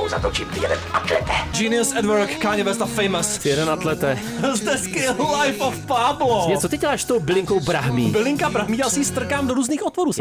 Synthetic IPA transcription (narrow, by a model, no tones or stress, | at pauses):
o̰wzat̪ot͡ʃimt̪ɪjɛdɛ̰nʔat̪lɛ̰t̪ɛd͡ʒiːnɪʊsɛdvɛɾkːaːɲɛvɛst̪afɛjmasɪjɛdɛnat̪lɛt̪ɛ | zd̪ɛskɪlajfofpaːbloɲɛt͡sot̪ɪɟɛlaːʃst̪owbɪlɪŋkowbɾaɦmḭbɪlɪŋkabɾaɦmiːjasɪst̪r̩kaːmdoɾuːzniːxʔot̪voɾuːs